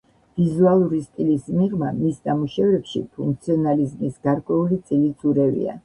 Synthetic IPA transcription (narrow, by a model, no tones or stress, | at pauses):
v̥izualˠuɾist̪ʼilismiʁmamisnamuʃɛvɾɛpʃḭpʰuŋk̚ʰt̪sʰiɔnalizmisɡ̥aɾkʼwɛulit̪sʼilisʰuɾɛvḭa̰